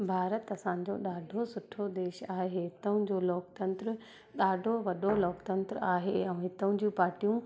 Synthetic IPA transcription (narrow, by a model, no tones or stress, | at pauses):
bʱaːɾət̪ɐsãːɲ̆d͡ʑo̰ɗaːɖʱosʊʈʰod̪eːʃaːɦeɦɪt̪əʊ̃d͡ʑoːloːkt̪ɐ̃nt̪ɾ | ɗaːɖʱoʋɐɗoloːkt̪ɐ̃nt̪ɾaːɦeɛ̃ːɦɪt̪əʊ̃d͡ʑĩpaːɾʈijũ